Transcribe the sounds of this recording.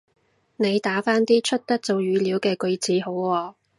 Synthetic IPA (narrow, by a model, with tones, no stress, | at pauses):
ne˨˧jt̪aː˨˥faː˥nt̪iː˥t͡ʃʰɵ˥t̚t̪ɐ˥k̚t͡so˨wjyː˨˧liː˨˥wkɛː˧kɵ˧ɥt͡siː˨˥ɦo˨˥wwɔː˧